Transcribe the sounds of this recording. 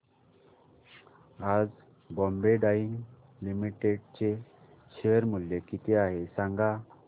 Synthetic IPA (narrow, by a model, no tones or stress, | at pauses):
ad͡z | bɔ̃mbeɖaiŋɡ | limiʈeɖt͡ɕe | ɕejəɾmuljekit̪eaɦesãŋɡa